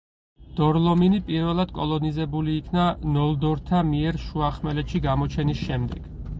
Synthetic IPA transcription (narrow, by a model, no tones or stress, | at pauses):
d̪̥ɔɾlˠɔminipʼiɾvɛlˠad̪̥̚kʼɔlˠɔnizɛbuliːkʰnanɔlˠd̪ɔɾt̪ʰamiɛɾʃuaχmɛlɛt̪ʃiɡamɔt͡ʃʰɛnisʃɛmd̪ɛɡ̥